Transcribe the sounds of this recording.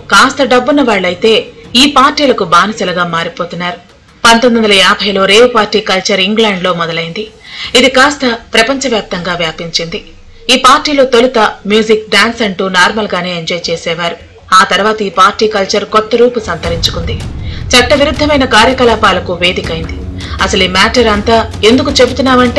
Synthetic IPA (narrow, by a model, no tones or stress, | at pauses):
kaːst̪ɐɖɐbːunːɐʋaːɭːɐjit̪e̞ːiːpaːɾʈiːlɐkubaːnɐsɐlɐɡaːmaːɾipo̞ːt̪unːaːɾu | pɐnt̪ond̪iɐnd̪ɐlɐjaːbʱɐjlo̞ːɾeːʋupaːɾʈːiːkɐlt͡ʃɐɾiŋɡlaːɳɖlo̞ːmɔd̪ɐlɐjind̪iid̪ikaːst̪ɐpɾɐpɐɲt͡ʃɐʋjaːp̚t̪ɐŋɡaːʋjaːpiɲt͡ʃind̪i | iːpaːɾʈːiːlo̞ːt̪o̞lut̪ɐmjuːd͡ʒik̚ɖaːnsɐɳʈuːnaːɾmɐlɡaːne̞ːeɲd͡ʒɔːjt͡ʃeːsɛːʋaːɾu | aːt̪ɐɾuʋaːt̪ɐiːpaːɾʈːiːkɐlt͡ʃɐɾkɔt̪ːɐɾuːpusɐnt̪ɐɾiɲt͡ʃu̥kund̪it͡ʃɐʈːɐʋiɾud̪ʱːɐmɐjnɐkaːɾjɐkɐlaːpaːlɐkuʋe̞ːd̪ikɐjind̪i | ɐsɐliːmaːʈɐɾɐnt̪aː | e̞nd̪ukut͡ʃe̞but̪unːaːmɐɳʈeː